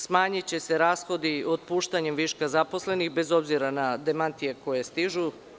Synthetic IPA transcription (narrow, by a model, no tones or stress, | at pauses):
smaːɲit͡ɕe̞se̞ɾaːsxo̞d̪iod̪̚puːʃt̪aɲe̞mʋiʃkazapo̞sle̞nixbe̞zo̞bziɾanad̪emant̪ije̞ko̞je̞st̪iʒu